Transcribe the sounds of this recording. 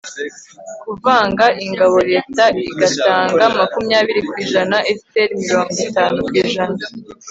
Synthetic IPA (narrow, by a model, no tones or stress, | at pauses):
kuvaːŋɡaʔiŋɡaβo̞ɾe̞ːtaiɡataːŋɡamakumjaːβiɾikwiːʒanaʔe̥seɾimiɾo̞ːŋɡitaːnukwiːʒana